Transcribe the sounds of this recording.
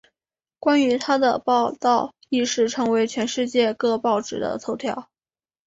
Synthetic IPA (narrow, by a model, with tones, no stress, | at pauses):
kwa˥ny˧˥t̪ʰa˥d̪ə̰˨pɑ˥˧ʊt̪ɑ˥˩ʊ | i˥˧ʂɻ̩˥˩ʈ͡ʂʰɤ˧˥ŋwe˧˥ɪt͡ɕʰɥɛ˧˥nʂɻ̩˥˧t͡ɕjɛ˥˧kɤ˥˧pɑ˥˩ʊʈ͡ʂɻ̩˨˩d̪ə̰˦t͡s̪ʰo˧˥ʊt̪ʰjɑ˥˩ʊ